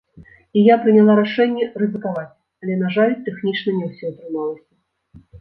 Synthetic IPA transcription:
ijapɾɨnʲalˠaɾaʂɛnʲːɛrɨzɨkavat͡sʲ | alʲɛnaʐalʲt̪ɛxnʲit͡ʂnɐnʲɛwsʲɔɐt̪ɾɨmalˠɐsʲɐ

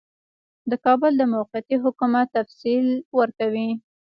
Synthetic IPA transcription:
d̪əkɑbʊld̪əmawqɪjat̪iɦʊkumat̪ːafsilwəɾkawi

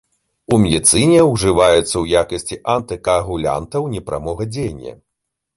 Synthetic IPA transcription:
umʲɛd̪ʲɨt̪sɨnʲɛwʐɨvajɛt̪sːɐwjakɐsʲt͡sʲiʔant̪ɨkɐːɣulʲa̰nt̪ɐwnʲɛpɾʔa̰mɔɣɐd͡zʲejnʲːɐ̰

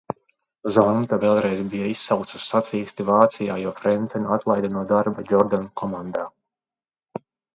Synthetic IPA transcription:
zɔnt̪avɛlˠɾɛjzbijaisːawkt̪su̥sːat̪siːst̪ivaːt̪sijaːjuɔfɾɛnt̪sʲɛnat̪lˠajd̪anuɔd̪aɾbad͡ʒɔɾd̪ankʰɔmand̪aː

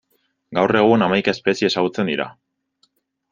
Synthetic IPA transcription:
ɡawre̞ɣ̞unamajkae̞spe̞siesaɣut͡se̞nd̪iɾa̰

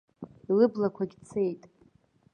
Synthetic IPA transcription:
lɨblakʷʰaɡʲt͡sʰe̞jtʼ

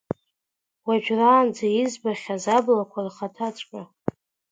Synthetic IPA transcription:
waʒᶣraːnd͡zajizbaχʲazablakʷʰarχatʰat͡ʃʷʼkʼa

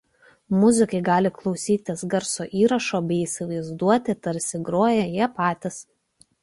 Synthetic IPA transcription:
mʊzʲɪkɐɪɡɑːlʲɪklˠɒʊsʲiːt̪ʲɪsɡɐɾsoːʔiːɾɐʃoːbʲɛɪiːˑsʲɪʋɐɪzd̪uɔt̪ʲɪt̪ɐɾʲsʲɪɡɾoːjɛjiɛpɑːt̪ʲɪs

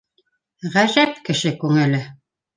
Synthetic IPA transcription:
ʁæʒæp̚kɘ̆ʃɘkʉŋɘ̆lɘ

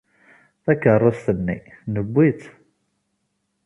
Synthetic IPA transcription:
θækːərˤːɑsθənːḭnəbʷːit͡s̪

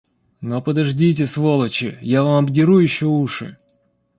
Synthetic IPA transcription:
nopəd̪ɐʐdʲit̬ʲɪsvolˠət͡ɕɪ̰javamɐbdʲɪɾujɪɕːouʂɨ̰

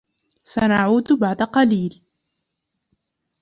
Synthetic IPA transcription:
sanaʕuːd̪baʕd̪aqɑliːl

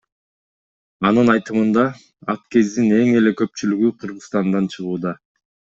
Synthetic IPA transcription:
ɑnɯnɑjt̪ɯmɯnd̪ɑ | ɑp̚ke̞zd̪ine̞ŋe̞le̞kø̞p̚t͡ʃylyɡyqʰɯɾʁɯst̪ɑnd̪ɑnt͡ʃʰɯʁuːd̪ɑ

